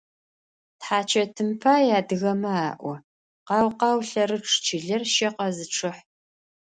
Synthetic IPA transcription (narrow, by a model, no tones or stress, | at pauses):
tħaːt͡ʃʰɐtʰɨmpʰaːjaːdɨɣɐmɐaːʔʷɔ | qɑːwqɑːwɬɐrɨʈ͡ʂʰt͡ʃʰɪɮɐrʃɐqɐzɨʈ͡ʂʰɨħ